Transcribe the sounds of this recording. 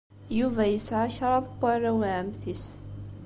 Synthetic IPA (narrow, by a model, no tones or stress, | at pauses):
juvæjəsʕaçɾˤɑðˤpːarːawʕəmθis